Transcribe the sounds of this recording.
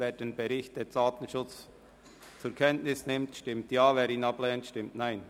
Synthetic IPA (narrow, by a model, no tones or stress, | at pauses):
veːɾd̥enbɛɾɪçtdedaːtn̩ʃʊt͡s | t͡sʊɾkʰɛntnɪsnɪmtʃtɪmtjɑːveːɾiːnɑplɛːntʃtɪmtnaɪn